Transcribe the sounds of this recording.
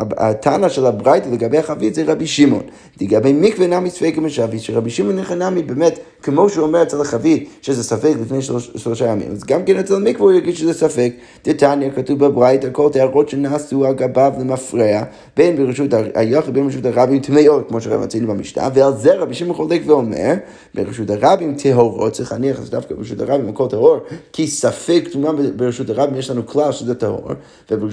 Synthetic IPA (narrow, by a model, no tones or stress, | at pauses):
a̰tʰanaʃɛlˠabʁaɪtəlˠəɡabeɪhaχavitzeɪʁabiʃimɔ̰n | dɪɡabeɪmikvənamisfɛkɪmɪʃaviʃɛʁabiʃimɔnɛχənamibɛmɛt | kəmoʃuɔmɛʁɛt͡sɛlˠaχavitʃɛzɛsafɛklˠɪfneɪʃʃlˠɔʃajamḭmazɡamkɛnɛt͡sɛlˠmikvəuɪʁɡidʃəzɛsafɛk | d̥ɪtanjakatuvbabʁaɪtakʰɔlˠteaʁoʃənaːsuaɡabavlˠɪmafʁea | b̥eɪnbɪʁəʃ̬utaa̰jɔχidbeɪnʁiʃutaʁabimtʰmɛotkmoʃəʁɛ̰va̰t͡sinubamiʃta̰vɪalˠszɛɾabiʃimχɔlˠɛkvɪomɛ̰ɾ | bɪ̰ʁəʃutaʁabimtʰɛɦɔʁɔtt͡sɪχaniaχazda̰fkabɪɾəʃutaʁabimakʰɔlˠtɛhɔɾkʰɪsafɛktumabbɪɾəʃutaʁabimjɛʃtanukʰlˠalˠʃuzɛtho̰ɾ | vɪb